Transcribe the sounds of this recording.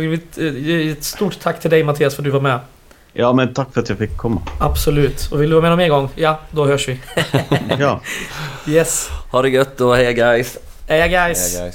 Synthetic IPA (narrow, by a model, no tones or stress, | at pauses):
ɪɪt̪ɛt̪st̪uːʈt̪ʰːakːt̪ʰɪld̪ɛɪjmat̪ʰiːasfœɾt̪̚d̪ʉvaːɾmɛ | jɑːmɛnt̪ʰakːfœɾat̪jafɪkʰːɔmːaabsɔlʉ̟ːt̪ɔvɪld̪ɵvɑːmɛːd̪ɔmɛnɡɔŋːjɑd̪ɔhøːʂʋɪ | jɛshaɖɵɡœt̪ːɔhɛjaɡaɪs | hɛjaɡajs